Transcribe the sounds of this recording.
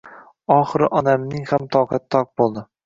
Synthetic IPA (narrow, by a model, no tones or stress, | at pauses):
ɒχɨɾɪʔɒnamnɪŋhamt̪ʰɒwqʰɑt̪ʰːɒq̚bolˠd̪ɪ